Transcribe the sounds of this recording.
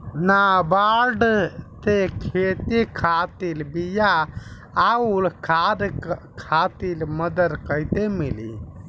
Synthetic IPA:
nabaɖt̪ekʰeːt̪ikʰaːt̪ilbija | aulkʰaɾkʰaːt̪ilməd̪əɾkəjt̪emilḭ

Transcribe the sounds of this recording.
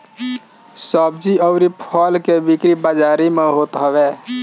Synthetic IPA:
səb̚d͡ʒiəʊɾipʰɔlkebikɾibəd͡ʒaɾimeɦot̪ɦəbe

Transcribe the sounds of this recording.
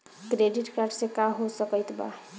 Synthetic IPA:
kɾeɖiʈkaɾɖsẽkaɦosəkəjt̪ba̰

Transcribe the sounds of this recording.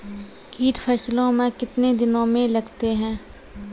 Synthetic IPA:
kiːʈpʰɛːslõmẽkɪt̪ned̪ɪnõmẽlɐɡt̪eɦɛ̃ː

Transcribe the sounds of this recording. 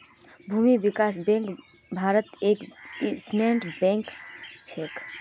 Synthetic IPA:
bʱumibikas̬bɛ̃ŋk | bʱaɾət̪eksmeɳʈbɛ̃ŋkt͡ʃʰek

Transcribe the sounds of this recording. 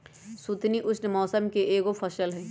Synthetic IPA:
sut̪niʔʊt͡ʃnmɔːsəmkeʔeːɡofʰɐʃəlɦɛː

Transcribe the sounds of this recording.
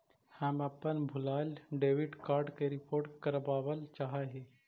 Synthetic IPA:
həməpːənbʱulaːlɖeːʋiɖkaːɾɖkeɾipoːɾʈkəɾbaːʋəlt͡ʃaɦaɦe

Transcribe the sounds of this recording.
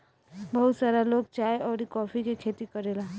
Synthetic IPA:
bəɦut̪saɾalok̚t͡ʃajɔɾikɔpʰikekʰet̪ikɔɾela

